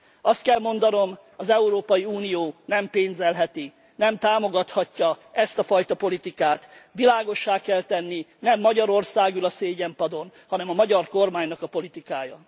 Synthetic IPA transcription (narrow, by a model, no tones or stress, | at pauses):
ɒst̪̚kɛlmo̞nd̪ɒno̞m | ɒzɛuɾoːpɒjiuːnijoːnɛmpeːnzɛlɦɛt̪i | nɛmt̪aːmo̞ɡɒt̪hɒcːɒɛst̪ɒfɒjt̪ɒpo̞lit̪ikaːt̪ʋilaːɡo̞ʃːaːkɛlt̪ɛnːinɛmːɒɟɒɾo̞rsaːɡulɒseːɟɛmpɒd̪o̞nhɒnɛmɒmɒɟɒrko̞rmaːɲnɒkɒpo̞lit̪ikaːjɒ